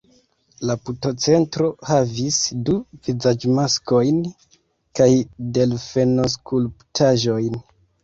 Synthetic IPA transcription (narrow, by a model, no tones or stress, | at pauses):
laputo̞t͡se̞ntɾo̞havisduvizad͡ʒmasko̞jn | kajde̞lfe̞no̞s̬kʰulptʰaʒo̞jn